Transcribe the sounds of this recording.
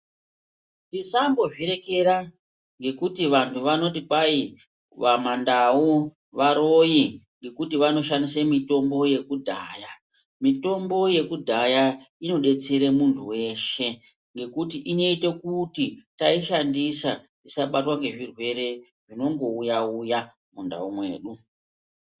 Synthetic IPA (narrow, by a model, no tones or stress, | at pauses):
nisambo̞ʐiɾe̞ke̞ɾa | ŋɡe̞kutiʋantʰuʋano̞tipai | ʋamandau | ʋaɾojiŋɡe̞kutiʋano̞ʃandisemito̞mbo̞je̞kudʱa̰ːja | mito̞mbo̞je̞kudʱajaino̞ɗe̞t͡seɾemuntʰuwe̞ʃe̞ | ŋɡe̞kutiʔino̞ite̞kutitaiʃandisa̰ | isaɓatwaŋɡe̞ʐirwe̞ɾe̞ | ʐino̞ŋɡo̞ujauja | munda̰umwe̞̰ːɗu